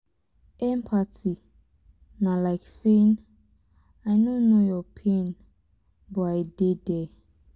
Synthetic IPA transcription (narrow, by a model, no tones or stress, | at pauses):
ɛ̃mpʰati | nalajksen | ajnonojɔpʰẽn | bɔajdedɛ